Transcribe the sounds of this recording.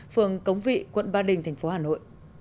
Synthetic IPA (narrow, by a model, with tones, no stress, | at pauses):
fɨ˨˩əŋkə˨˦wŋ͡mvḭ˧˨kwə̰˧˨nɓaː˧ɗï˨˩ŋt̪ʰjŋ̟fo˨˦haː˨˩no̰˧˨jʔ